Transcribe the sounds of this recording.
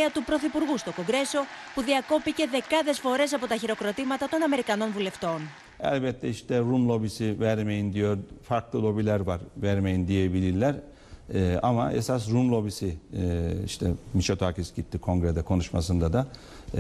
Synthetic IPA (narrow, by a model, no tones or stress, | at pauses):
ɐt̪upɾo̞θipuɾɣust̪o̞ko̞ŋɡɾe̞so̞puðiɐko̞pice̞ðe̞kɐðe̞sfo̞ɾe̞s̬ɐpo̞t̪ɐçiɾo̞kɾo̞t̪imɐt̪ɐt̪o̞nɐme̞ɾikɐno̞nvule̞ft̪o̞n | ɛ̰lʲbɛt̪ʰːɛiʃt̪ɛɾumlˠo̞bisivɛɾmejind̪ijoɾfaɾklˠɯlʲˠo̞bilʲæɾvaɾvæɾmejind̪ijebilʲilʲæɾ | ama̰ḛsas̬ɾumlˠo̞bisi | ḭʃt̪ʰɛmiʃat̪ʰoacisɟit̪ːikʰo̞ŋɡɾed̪ɛkʰo̞nuʃmasɯnd̪ad̪a